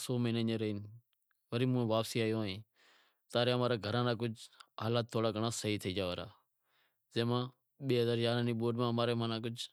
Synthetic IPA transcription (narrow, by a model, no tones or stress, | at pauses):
soːməːnẽːneːɾəɦiːn | ʋəɾiːmũːʋaːpsiːaːjoːẽː | t̪aːɾeːəmãːɾaːɡʱəɾãːnãːk̬ʊd͡ʒɦaːlaːt̪ʰːoːɽaːkəɳãːsəɦiːt̪ʰiːd͡ʒaːʋaːɾa̰ː | zẽːmãː | ɓeːɦəzaːɾjaːɾãːniːɓoːɖmãːmaːɾeːmãːnãːkʊd͡ʒ